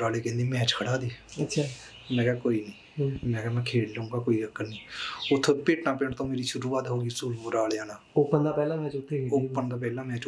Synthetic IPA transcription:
ɾaːleːkɛ̃ːnd̪iːmɛ̃ːt͡ʃkʰəɽaːd̪iːətːʃʰaː | mɛ̃ːkɛkoːiːniː | mɛ̃ːkɛmɛ̃ːkʰeːɽləũːŋɡaːkoːiːɾəkːənnĩːʊt̪ʰːeːpeːʈnãːpeːɳt̪õːmeːɾiːʃʊɾuːaːt̪ɦoːɡiːsuːlmʊɾaːleːaːnãːʊpːənd̪aːpɛːlãːmɛ̃ːt͡ʃʊt̪ʰːeʊpːənd̪aːp̬ɛːlãːmɛ̃ːt͡ʃ

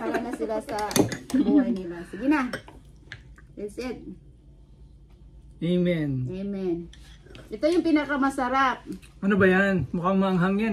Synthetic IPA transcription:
ɐlɐŋasɪlasɐbuɐjnɪlasɪɡɪna | ɛsɛd̪̚ | ɛmɛnɛmɛnʔɛt̪ojʊŋpinɐkɐmɐsɐɾap̚ʔɐnobɐjanmʊkaŋmɐŋɦaŋan

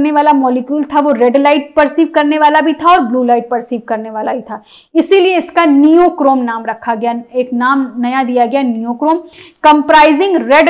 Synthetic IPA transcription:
neʋaːlamɔːlɪkjuːlt̪ʰaʋoɾɛɖlaːɪʈ̚pɐɾsiːʋkɐɾneʋaːlabʱit̪ʰaɔːɾbluːlaːɪʈ̚pɐɾsiːʋkɐɾneʋaːlabʱit̪ʰaː | ɪsilieɪskanijoːkɾoːmnaːmɾɐkʰːaɡɐjaeːknaːmnɐjad̪ijaɡɐjanijoːkɾoːmkɐ̃mpɾaːɪzɪ̃ŋɡɾɛɖ

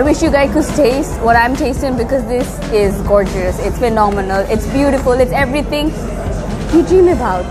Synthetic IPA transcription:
aɪʋɪʃjuɡaɪzkʊsʈeːstwɔɾãɪ̃mʈʰeːstɪ̃ŋbɪkɔzd̪ɪs | ɪzɡɔɹd͡ʒuəsɪtsfɪnɔmənəlɪʈsbjuːɾɪfʊlɪʈsɛvɾit̪ʰɪ̃ŋ | kidɹĩːməbaʊt

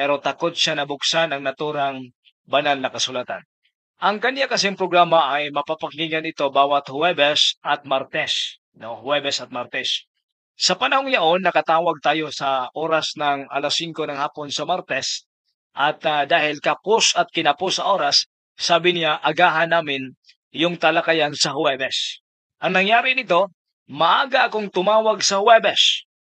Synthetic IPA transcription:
pɛɾo̞t̪ɐko̞t̪̚ʃanɐbʊksanɐŋnɐt̪uːɾɐŋ | bɐnalnɐkɐsʊlat̪a̰n | ʔɐŋkɐnjakɐsɛŋpɾoɡɾaːmɐʔɐjmɐpapɐŋɡiŋɐnɪt̪o̞baːwɐt̪̚hʊwɛbɛsɐt̪̚maɾt̪ɛs | nohʊwɛbɛsɐt̪̚maɾt̪ɛs | sɐpɐnɐhoŋj̪ɐʔo̞nːɐkɐt̪aːwɐɡ̚t̪aːjo̞sɐʔoːɾɐsnɐŋɐ̰lɐsiŋko̞nɐŋhaːpo̞nsɐmaɾt̪ɛs | ʔɐt̪d̪aːhɪlkɐpʊsɐt̪̚kɪnɐposɐʔo̞ːɾɐsː | aːbɪnɪaʔɐɡaːɦɐnaːmɪn | jʊŋt̪ɐlɐkɐjansɐhʊwɛbɛs | ʔɐŋnɐŋjaːɾɪnɪt̪o̞ | mɐʔaːɡɐʔɐkoŋt̪ʊmaːwɐɡsɐhʊwɛbɛs

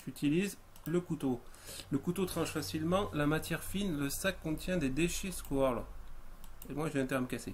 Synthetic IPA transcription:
yt̪iliz | ləkut̪oləkut̪ot̪χɑ̃ʃfasilmɑ̃lamat̪jɛʁfinləsakːɔ̃t̪jɛ̃d̪ed̪eʃeskɔʁl | emwaʒəvjɛ̃t̪ɛʁməkase

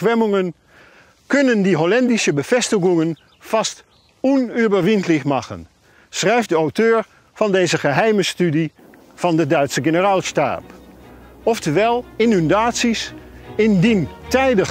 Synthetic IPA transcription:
ʋɛmʏŋən | kɵnəndiɦolɛndɪsəbəv̥ɛstəχʊŋən | fɑst | ɔnyːbəɹʋɪntlɪxmɑχə̰n | srɛjftdəawtøːɹ | v̥ɑndeːzəχəɦɛjməstydi | v̥ɑndədœɥtsəχenəraːlˠsta̰ːp | ɔftəʋɛlˠɪnyndaːtsisɪndintɛjdəχ

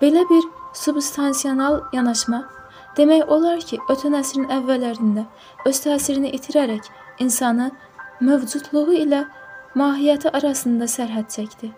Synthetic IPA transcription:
b̥e̞læbiɾsubst̪ʰɑnsio̞nɑlˠjɑnɑʃmɑ | d̪̥e̞mæjo̞lˠɑɾcʰiʔøt̪ʰænæsɾinævːælːæɾind̪æ | ø̞z̥t̪ʰæːsiɾiniʔit̪ʰiɾæɾæc | insɑnɯ | mø̞vd͡ʒut̪ʰlˠuʁuilæmɑːɦijæt̪ʰiʔɑɾɑsɯnd̪ɑsæɾɦæt̪̚t͡ʃʰæcd̪i

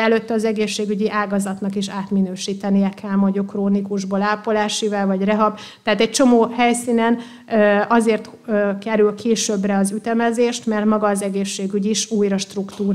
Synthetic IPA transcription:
ɛløt̪ːɛɒzɛɡeːʃːeːɡyɟiʔaːɡɒzɒt̪nɒkiʃaːt̪minøːʃiːt̪ɛnijɛkʰɛlmɒɟokroːnikuʒbolaːpolaːʃivɛlvɒɟrɛɦɒb | t̪ɛɦat̪ɛc̚t͡ʃo̞moːhɛjsiːnɛn | ɒzeːrt̪ː | kɛɾylkʰeːʃøbrɛɒzyt̪ɛmɛzeːʃt̪mɛrt̪mɒɡɒːzɛɡeːʃːeːɡyɟiʃuːjɾɒʃt̪rukt̪uːɾ

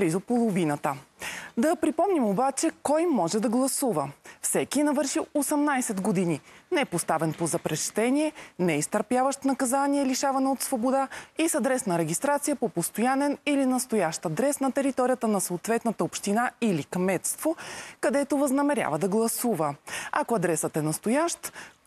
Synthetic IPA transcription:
blizopolˠovinət̪əd̪ɐpɾipɔmnimobat͡ʃɛkɔjmɔʒɛd̪ɐɡlˠɐsuvəfsɛkinɐvɤɾʃiosɛmnajsɛd̪ɡod̪ininɛɛpost̪avɛnpozɐpɾɛʃt̪ɛnʲiɛnɛist̪əɾpjavəʃt̪nɐkɐzaniɛliʃavɐnɛot̪svobod̪aisɐd̪ɾɛsnɐɾɛɡ̟ʲist̪ɾat̪sijəpopost̪ojanɛnilinɐst̪ojaʃt̪ɐd̪ɾɛsnɐt̪ɛɾit̪ɔɾijət̪ənɐsoːt̪vɛt̪nət̪əopʃt̪inailikmɛt̪st̪vokɐd̪ɛt̪ovɐznɐmɛɾʲja̰vəd̪ɐɡlˠɐsuvəɐ̰koɐd̪ɾɛsət̪ɛnɐst̪ojaʃt̪

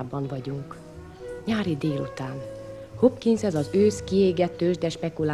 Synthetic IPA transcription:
bɒɱvɒɟuŋk | ɲaːɾid̪eːlṵt̪aːn | ho̞pkinzɛzɒzøːskieːɡɛt̪øːʒd̪ɛʃpɛkula

